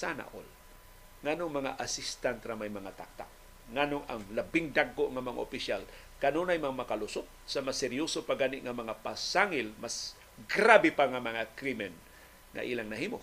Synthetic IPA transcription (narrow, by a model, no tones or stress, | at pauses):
sana̰ʔo̰l | ŋanoŋmɐŋa̰ʔasɪst̪ant̪ɾamajmɐŋat̪a̰k̚t̪a̰ʔ̚ | ŋanoŋa̰ŋlabɪŋd̪aɡ̚koʔŋamɐŋa̰ʔopɪʃjal | kanonajmaŋamakalʊsʊt̪̚samasɛɾjosopaɡaːnɪʔŋamɐŋapasaŋɪlmas | ɡɾabɪpaŋamɐŋakɾimɛn | ŋa̰ʔiːlaŋnɐhiːmo